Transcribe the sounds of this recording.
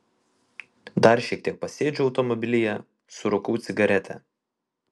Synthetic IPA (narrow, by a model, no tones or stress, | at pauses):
d̪ɐɾʃʲiɛk̚t̪ʲiɛk̚pɐsʲeːd͡ʒʲʊɒʊt̪ɔmɔbʲɪlʲɪjɛ | sʊɾʊkuːt̪sʲɪɡɐɾʲɛt̪ʰʲɛ̰